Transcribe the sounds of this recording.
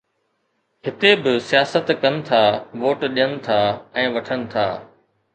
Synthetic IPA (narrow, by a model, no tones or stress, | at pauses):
ɦɪt̪ebɪsijaːsət̪kɐnɪ̆t̪ʰaːʋoːʈɗijənɪ̆t̪ʰaːɛ̃ːʋɐʈʰənɪ̆t̪ʰaː